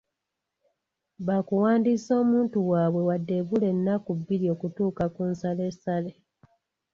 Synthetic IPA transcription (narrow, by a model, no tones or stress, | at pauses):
βakuwaːndiso̞ːmuːntuwaːβwe̞wadːe̞βule̞nːakubːiɾio̞ːkutuːkakunsale̞sale